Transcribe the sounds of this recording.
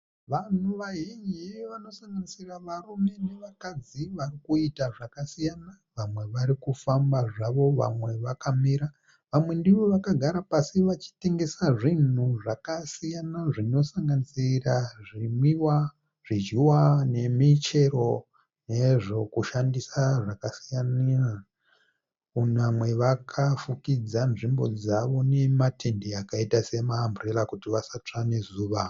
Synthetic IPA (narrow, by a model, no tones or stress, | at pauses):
ʋan̤uʋaɦeɲeʋano̞saŋɡanisiraʋarume̞ne̞ʋakad͡ziʋarikuitaʐakasijana | ʋamwe̞ʋaɾikufambaʐaʋo̞ʋa̰mwe̞ʋakamiɾa | ʋamwe̞ndiʋo̞ʋakaɡʱaɾapasiʋat͡ʃi̥te̞ŋɡe̞saʐin̤uʐakasijanaʐino̞saŋɡanisiraʐimiwa | ʐ̥id͡ʒiwane̞mit͡ʃe̞ɾo̞ | ne̞ʐo̞kuʃandisaʐakasijania | unamwe̞ʋakʰafukid͡zanʐimbo̞d͡zaʋo̞ne̞matʰe̞ndeakaitase̞maːmbure̞lakutiʋasat͡ʂanezuːʋa